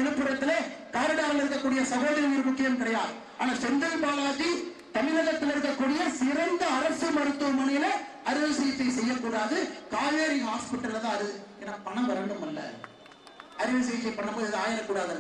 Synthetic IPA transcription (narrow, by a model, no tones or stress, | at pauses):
t̪ɪlɯpːɯɾɐt̪ːɪlekaːɾɪɽaːɾɐlɪɾɯkːɐkːuːɽɪjɐsɐɣoːðɐɾɐʋiːɾɯmʊkːɪjɐmkɪɽɐjaːɯ | aːnaːsɛnd̪ɯpaːɾaːði | t̪ɐmɪnɐɣɐt̪ːɪlɪɾɯkːɐkːuːɽɪjɐsɪɾɐnd̪ɐːɾɐsɯmɐɽɯt̪ːɯmɐnɐjɪlɐɐɾɪʋɐsɐjɐt̪ːɐɪsɛjːɐkːuːɽaːðɯkaːjeːɾiɦaːspɪʈːɐlɐðãːɐðɯɛnːɐpɐɳɐ̃ʋɐɾɐɖɯmɐlːɐ̰ | ɐɾɪʋɐs̬ɐjɐt̪ːɐɪpɐɳːɐmpːoːðɯðaːjɐnɐkːuːɽaːðɯ